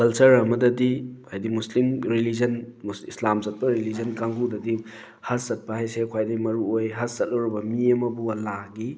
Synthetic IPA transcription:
kɐlt͡ʃɐɾɐmɐdɐdiajdimuslimɾilizɐnsislamsɐt̚pɐɾilizɐnkaŋɡudɐdi | hassɐt̚pɐhajsekʰwajdimɐɾuojɦɐssɐt̚lɐwɾibɐmiɐmɐbuɐlaɡi

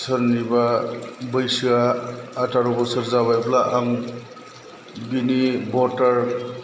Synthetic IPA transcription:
sɯɾnibabɯjsɯaːtaɾɔbɔsɯɾzabajblaʔaŋ | binibɔtaɾ

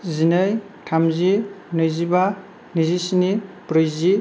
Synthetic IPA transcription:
zinɯj | tʰamzinɯjziba | nizisinipɾɯjzi

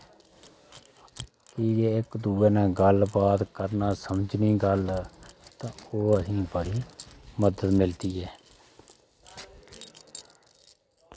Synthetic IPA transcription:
kɪjeːɪkd̪uːeːnɛ̃ːɡəlbaːd̪kəɾnaːsəməd͡ʒniːɡəlt̪ãːoːəsĩːbəɽiːməd̪ət̪mɪlt̪iːɛː

